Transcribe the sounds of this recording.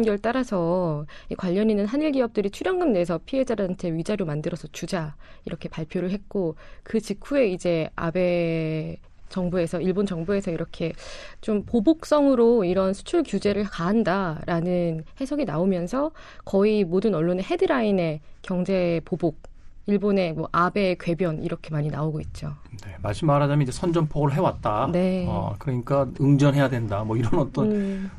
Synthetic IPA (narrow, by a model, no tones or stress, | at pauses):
nɡʌɭt͈aɾasʰʌikwaʎːʌninɯnɦaniɭɡiʌp̚t͈ɯɾit͡ɕʰuɾjʌŋɡɯndes̬ʰʌpʰie̞d͡ʑadɯɦant͡ɕʰe̞ɥid͡ʑaɾjomandɯɾʌsʰʌt͡ɕud͡ʑaiɾʌkʰe̞paɭpʰjoɾɯɭɦet̚k͈okɯt͡ɕikʰue̞id͡ʑe̞a̰be̞ | t͡ɕʌŋbue̞sʰʌiɭbond͡ʑʌŋbue̞sʰʌiɾʌkʰe̞t͡ɕompobok̚s͈ʌŋɯɾoiɾʌnsʰu̥t͡ɕʰuɭkjud͡ʑe̞ɾɯɭkaɦandaɾanɯnhe̞sʰoɡinaomjʌnsʰʌkʌimodɯnʌɭːone̞ɦe̞dɯɾaine̞kjʌŋd͡ʑe̞pobok̚ | iɭbone̞mwʌʔabe̞kwe̞bjʌnḭɾʌkʰe̞maɲinaoɡoit̚t͡ɕ͈one̞maɭs͈ɯmːaɾadamnid͡ʑe̞sʰʌnd͡ʑʌnpʰoɡɯɾɯɭɦe̞wat̚t͈ane̞a̰kɯɾʌɲik͈aɯŋd͡ʑʌnɦe̞jadwe̞ndamwʌiɾʌnʌt͈ʌn